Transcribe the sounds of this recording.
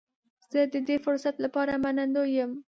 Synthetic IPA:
z̥əd̪əd̪efʊɾsat̪lapɑɾamanand̪ojəm

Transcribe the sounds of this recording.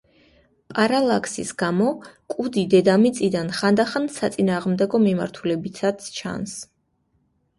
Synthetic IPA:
pʼaɾalˠakʰsḭsɡ̥amɔkʼud̪id̪ɛd̪amit̪sʼid̪anχand̪aχansat̪sʼinaːʁmd̪ɛɡɔmima̰ɾt̪ʰulɛbit̪ʰat̪st͡ʃʰa̰ns

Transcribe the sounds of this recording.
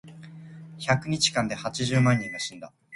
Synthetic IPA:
çakɯ̟ɲ̟it͡ɕi̥kãnd̪ehat͡ɕiʑɨːmãɲ̟ʲːĩŋːaɕĩnd̪a̰

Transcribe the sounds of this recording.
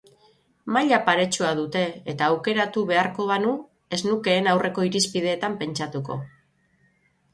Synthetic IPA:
maʎapaɾe̞t͡ʃuaðut̪e̞ːt̪aːwke̞ɾat̪uβ̞e̞aɾko̞βanu | e̞snuke̞ːnawre̞ko̞iɾispið̞e̞ːt̪ampe̞nt͡ʃat̪uko̞̰

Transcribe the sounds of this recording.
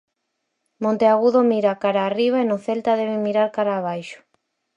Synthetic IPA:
mõnt̪eaɣuðomiɾakaɾaːriβ̞aenʊθelt̪aðeβɪmiɾaɾkaɾaːβ̞ajʃʊ̥

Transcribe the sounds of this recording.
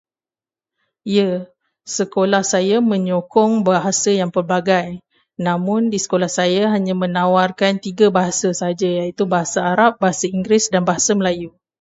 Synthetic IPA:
ia | səkolahsajamə̃ɲokɔŋbaɦasajaŋpərbaɡaj | nãmʊ̃ndisə̥kolahsajaɦaɲãmə̃nãwarkant̪iɡabaɦasasaɦad͡ʒajait̪ubaɦasaaɾap̚baɦasaiŋɡɾɪsdanbaɦasaməlaju

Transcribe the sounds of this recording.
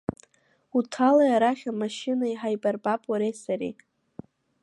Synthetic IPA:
utʰalajaɾaχʲamaʃɪnaiħajbarbapʼaɾesaɾḭ

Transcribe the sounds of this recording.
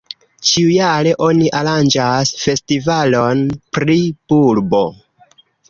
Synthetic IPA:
t͡ʃiujaɾe̞ʔo̞niʔaɾand͡ʒasfe̞stivalo̞npɾipuɾbo̞̰

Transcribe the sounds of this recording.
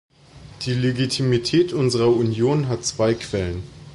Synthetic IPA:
d̥iːleɡitʰimitʰɛːtʔʊnzəʁɐunjoːnɦatt͡sv̥aɪkʰv̥ɛlən

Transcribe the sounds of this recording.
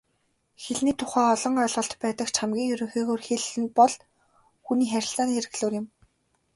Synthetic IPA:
xeɮniːt̪ʰʊχæːɔɮɞ̆ɴŋœːɮʁɞ̆ɬt̪pæːt̪ə̆kt͡ɕʰamɡʲiːŋjɵɾʲɵ̆ŋxiːɣoːrxeɮɘ̆npɔɮ | xuniːχæɾʲɪ̆ɬt͡saːniːeɾɘ̆ɣɮoːrjɪ̆m

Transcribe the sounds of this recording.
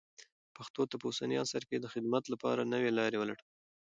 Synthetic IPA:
paxt̪ot̪apəusaniɑsaɾked̪əxɪd̪mat̪lapɑ̰ɾanəwelɑɾewəlaɽ

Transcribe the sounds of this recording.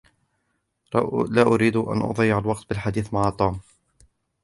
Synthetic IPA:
laːʔʊɾiːd̪ʊʔa̰nʔʊ̰ðˤjːʕalwɑq̚t̪̚bɪlħad̪iːθmaʕaːt̪ˤuːm

